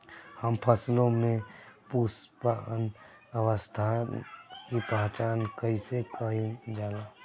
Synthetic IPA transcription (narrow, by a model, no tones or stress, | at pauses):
həmpʰəslõmẽpuspaən | əʋəst̪ʰa | kipəɦt͡ʃaːnkəisekəɦid͡ʒaːla